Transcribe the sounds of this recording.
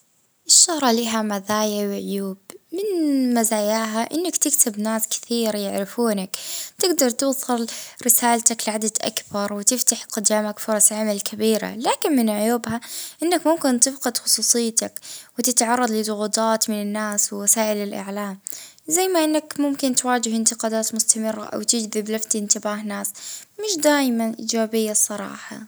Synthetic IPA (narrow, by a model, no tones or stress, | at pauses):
ʔɪʃːʊhɾˤɑliːɦamaðaːjawʕʊjuːbmɪnmazaːjaːɦaʔɪnːakt̪ɪkt̪ɪbnaːskɪ̥θiːɾajɪʕɾɪfuːnakt̪ɪɡd̪ɑɾˤt̪ɪːsˤɨlɾɪsaːlt̪aklɪʕad̪ad̪ʔa̰kbɑɾˤwɪt̪ɪft̪aħqʊd̪ːaːmakfʊɾˤɑsʕamalkʰabiːɾa̰laːkɪnmɪnʕʊjuːbhaʔɪnːakmʊmkɪnt̪ɪfqɨd̪xʊ̥sˤuːsˤɨjːt̪akwɪt̪ɪt̪ʕɑrˤːɑd̪ˤlɪd̪ˤʊɣuːt̪ˤɑːt̪mɪnɪnːaːswɪwasaːʔɪlɪlʔa̰ʕlaːm | zajːmaʔɪnːakmʊmkɪnt̪waːd͡ʒɪhɪnt̪ɪqɑːd̪aːt̪mʊst̪amɪrːa̰ʔa̰wt̪ɪd͡ʒðɪblaft̪ʔɪnt̪ɪbaːɦnaːsmɪʃd̪aːjmanʔiːd͡ʒaːbɪjːasˤɑɾˤɑ̰ːħɑ̰